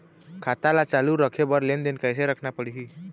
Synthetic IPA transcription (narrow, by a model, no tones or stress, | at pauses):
kʰat̪alat͡ʃaluɾəkʰebəɾlend̪enkəjs̬eɾəkʰnapəɽiɦi